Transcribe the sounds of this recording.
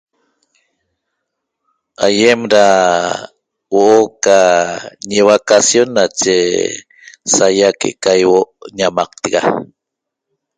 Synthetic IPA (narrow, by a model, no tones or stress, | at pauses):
ajemɾa | woʔokaɲeβakasjonːat͡ʃe | sajakḛʔkajwoʔɲamɑq̚t̪iɡa